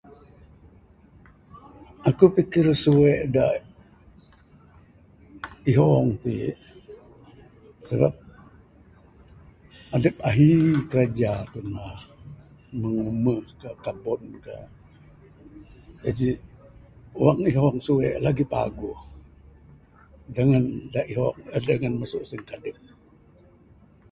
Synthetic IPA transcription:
ʔakupikirsuwɛʔdaʔ | iɦɔŋt̪iʔ | səbap̚ | adəp̚aɦikəɾad͡ʒat̪unah | məŋuməhkakabɔnka̰ | d͡ʒad͡ʒi | waŋiɦɔŋsuwɛʔlaɡipa̰ɡuh | daŋandaʔiɦɔŋədaŋanmasuʔsəŋkadəp̚

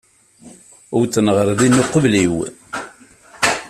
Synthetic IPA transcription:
ʊɾt͡sːənʁəɾˤðinːʊqəvliw

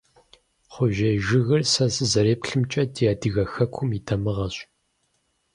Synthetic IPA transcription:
χʷʊʒeʒɪɣɐrsɐsɨzɐɾeːpɬɨmt͡ʃʼɐdʰijaːdɨɣɐxɐkʷʰʊmiːdʰɐmɨʁɐɕʼ

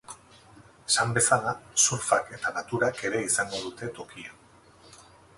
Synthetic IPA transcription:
sambe̞salasuɾfake̞t̪anat̪uɾake̞ɾe̞isaŋɡo̞ð̞ut̪e̞t̪okia

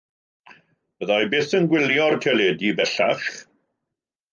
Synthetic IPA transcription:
b̥əðajbɪθənɡwɪlˠjɔrtʰɛlˠeːdibɛɬaχ

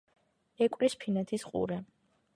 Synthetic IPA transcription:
ɛkʼɾispʰinɛt̪ʰisqʼṵɾɛ

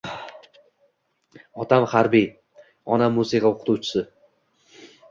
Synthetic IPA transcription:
ɒt̪ʰamhaɾbij | ɒnamːusiqɑoqʰʊ̥t̪uwt͡ʃʰɪ̥sɪ

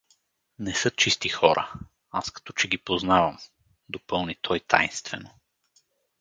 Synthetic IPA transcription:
nɛsɤt͡ʃist̪ixɔɾʔə̰ | askɐ̥t̪ɔt͡ʃɛɡipoznavəm | d̪opɤlˠnit̪ʰɔjt̪ʰa̰jnst̪vɛno

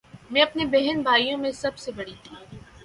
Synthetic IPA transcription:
mɛ̃ɐpnebɛɦɛnbʱaːijõmẽsɐbsebɐɽit̪ʰĩː

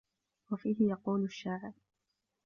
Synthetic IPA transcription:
wafiːhɪjɑquːlaʃːaːʕɪɾ

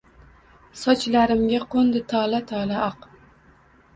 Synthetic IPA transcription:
sɒt͡ʃlaɾɪmɡʲaqʰond̪ɪt̪ʰɒlat̪ʰɒlaɒq

